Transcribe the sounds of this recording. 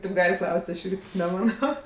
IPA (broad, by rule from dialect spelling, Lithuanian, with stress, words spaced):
tʲeːp ˈɡɐlʲ ˈklˠɐʊsʲtʲ ˈɐʃ ˈɪrʲɡʲɪ nʲɛˈmɑːnoː